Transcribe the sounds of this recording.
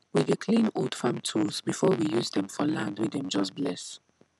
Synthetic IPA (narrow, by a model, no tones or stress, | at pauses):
wiðəkʰlĩnɔdfãmtʰuzbifɔwijuːzðɛ̃mfɔlãndwidɛ̃md͡ʒʌsblɛs